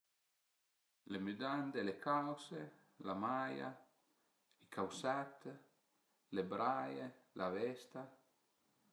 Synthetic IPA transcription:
lemyd̪and̪elekʰawse | lamaja̰ | ikʰawsat̪ | lebɾajelʔavɛst̪a

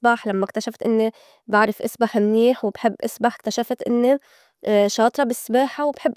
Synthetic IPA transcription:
baħlamːakt̪aʃaft̪ʔɪnːe | baʕɾɪfʔasbaħmniːħwɪbħɪbːʔasbaħkt̪aʃaft̪ʔɪ̰nːe | ʃɑːt̪ˤɾˤɑbɪsːbaːħawbħɪbːʔ

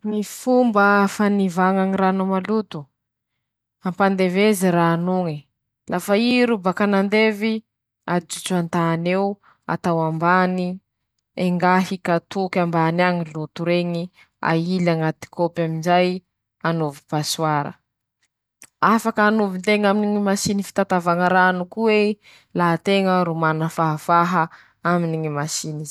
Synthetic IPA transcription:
nifumbəfanivaŋaŋiranomalut̪u | ampand̪eveziɾaːnuŋi | lʔafaiɾubakanand̪evi | ad͡ʒut͡sant̪aːnew | a̰t̪awambani | eŋɡaɦikat̪ukʲambaniaŋilut̪uɾeɲi | a̰ilaŋat̪i̥kʰopaminzaj | anovipasuaɾə̰ | afakəːnovint̪eŋaminiŋimasinifi̥t̪at̪avaŋəɾanukuwe | laɦt̪eŋəɾumanəfaɦəfaɦə | aminiŋimasinizi̥

